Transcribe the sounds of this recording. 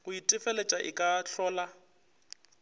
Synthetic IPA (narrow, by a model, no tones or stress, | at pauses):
ɣʊitʼɪfɛlet͡ʃʼaʔɪ̰kʼaɬɔːla